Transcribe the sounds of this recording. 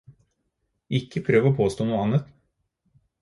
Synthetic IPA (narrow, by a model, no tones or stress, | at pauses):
ʔɪkːəpʰɾøːʋəoːpʰoːst̪oːnuːəɑnət̪